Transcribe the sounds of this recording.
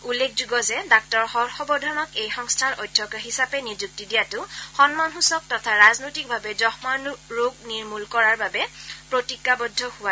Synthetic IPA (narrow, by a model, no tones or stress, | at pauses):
ulːek̚ʰzuɡɔzɛdak̚tɔɹxɔɹxɔbɔdʱɔnɔkejxɔŋstʰanɔjdʱːɔkaɦisapɛnid͡ʒuk̚tidijatʊxɔnmanxusɔk̚tɔtʰaɹaznojtik̚bʱabɛzɔxmanɹoɡ̚niɹmulkɔɹaɹbabɛpɹotikːabɔdʱːɔhʊwa